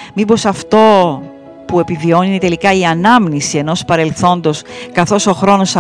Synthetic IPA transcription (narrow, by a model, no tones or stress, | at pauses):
mibo̞sɐft̪o̞ | pue̞pivio̞niet̪e̞likɐiɐnɐmnisie̞no̞spɐɾe̞lθo̞nd̪o̞skɐθo̞so̞xɾo̞no̞sɐ